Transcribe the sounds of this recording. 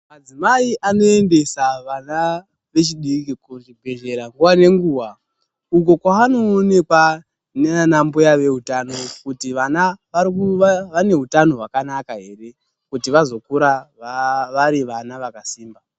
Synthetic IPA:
mad͡zimaiʔano̞e̞nde̞saʋana | ʋe̞t͡ʃiɗikikuʐibʱe̞ʒe̞ɾaŋɡuʋane̞ŋɡuːwa | uk̬o̞kwaano̞ːne̞kwa | nenanambojaʋe̞ɦutano̞kutiʋanaʋaikuʋane̞ɦutano̞ɦwakanakaɦe̞re̞ | kutiʋazo̞kuɾaaʋaɾiʋanaʋakasiːmba

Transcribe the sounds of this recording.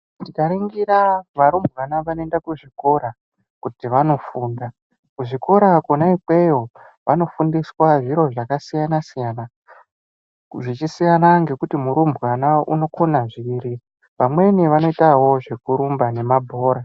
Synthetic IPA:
tikaɾiŋɡiɾaʋaɾumbʱɣanaʋanendakuʐiko̞ɾa | kutiʋano̞fuːnda | kuʐiko̞ɾakunaike̞jo̞ | ʋano̞fundiswaʐiɾo̞ʐakasijanasijana | ʐit͡ʃisijanaŋɡe̞kutimuɾumbʱwanaṵno̞konaʐiɾi | ʋamwe̞niʋano̞itawo̞ʐe̞kuɾumbane̞mabʱo̞ːɾa

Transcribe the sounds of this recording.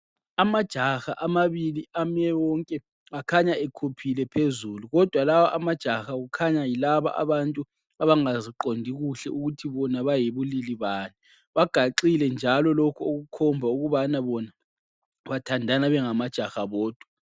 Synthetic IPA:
amad̥ʒ̥ʱaxa̰ʔamaβiliamɛwɔŋkʼɛ | akʰaɲaɛkʰupʰilɛpʰezuluɣɔd̥ʱwalawɔʔamad̥ʒ̥ʱaxaɣukʰaɲajilaβa̰ʔa̰βantʼu | aβaŋaziǃondʱiɣuɬɛuɣutʰiβɔnaβajiβuliliβaːni | βaɡ̥ʱaǃilɛnd͡ʒʱalɔlokʰɔoɣukʰɔmbʱauɣuβanaβɔna | βatʰandʱanaβɛŋamad̥ʒ̥ʱaxaβɔːd̥ʱwa

